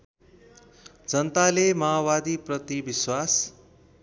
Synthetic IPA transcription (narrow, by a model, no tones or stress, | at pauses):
d͡zʌnt̪alemaabad̪iprʌt̪ibiswas